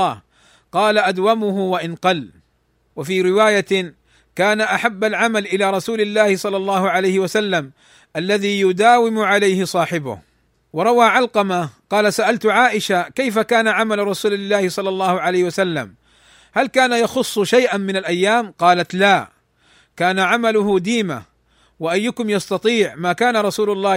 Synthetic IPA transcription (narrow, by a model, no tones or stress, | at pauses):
h | qɑːlaʔad̪wamʊɦʊwaʔɪnqɑlː | wafiːɾɪwaːja | kaːnaʔaħabːalʕamalʔɪlaːɾˤɑsuːlɪlːaːhɪsˤɑlːɑlˤːɑːhʊʕalajhɪwasalːam | ʔalːaðiːjʊd̪aːwɪmʊʕalajhɪsˤɑːħɪbʊ̰h | wɑɾˤɑwaːʕalqɑmaqɑːlasaʔalt̪ʊʕaːʔɪʃakajfakaːnaʕamalɾˤɑsuːlɪlːaːhɪsˤɑlːɑlˤːɑːhʊʕalajhɪwasalːa̰m | halkaːnajɑxʊsˤːʃajʔanmɪnalʔajːaːmqɑːlat̪laː | kaːnaʕamalʊhʊd̪iːma̰ | waʔajːʊkʊmjɑst̪ɑt̪ˤiːʕmaːkaːnaɾˤɑsuːlʊlˤːɑː